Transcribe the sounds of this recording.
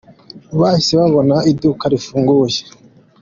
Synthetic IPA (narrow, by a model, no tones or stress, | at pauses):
βaiseβaβonaidukaɾifuːŋɡuːje̥